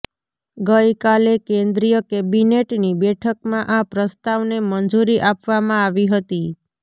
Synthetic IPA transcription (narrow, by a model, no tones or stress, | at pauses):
ɡəjkalekẽnd̪ɾijəkebineʈnibɛʈʰəkmãʔapɾəst̪aʋnemənd͡ʒuɾiʔapʋamãaʋiɦət̪i